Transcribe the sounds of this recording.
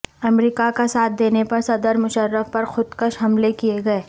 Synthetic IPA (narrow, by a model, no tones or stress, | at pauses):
ɐmɾiːkakasaːt̪̚ʰd̪eːnepɐɾsɐd̪əɾmʊʃəɾːəfpɐɾxʊd̪kəʃɦɐmlekijeɡɐeː